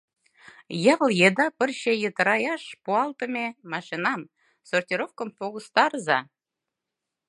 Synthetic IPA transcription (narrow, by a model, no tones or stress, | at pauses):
jɤlˠjed̪ɑpə̆rɕejə̆t̪ə̆ɾɑjɑʃpuɑlˠt̪ə̆mʲemɑʃinɑm | sortʲiɾofkə̆mfoɣust̪ɑɾzɑ